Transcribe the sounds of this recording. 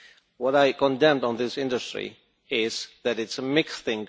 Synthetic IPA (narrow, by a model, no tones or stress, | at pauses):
wʌɾaɪkə̃ndɛ̃mdn̩ðɪsɪ̃ndəstɹ̥ḭ | ɪz̥ðɨɾɨtsəmɪksθɪ̃ŋ